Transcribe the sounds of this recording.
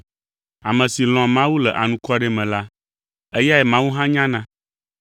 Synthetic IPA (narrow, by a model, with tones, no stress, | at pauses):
a˨mɛ̃˨si˨l̃ɔ̃˨mã˦wu˦lɛ˨ʔa˨nũ˦kɔ˦ɖe˦mɛ̃˨la˦ | e˦ja˦ɛ˨mã˦wu˦ɦã˦ɲã˦nã˦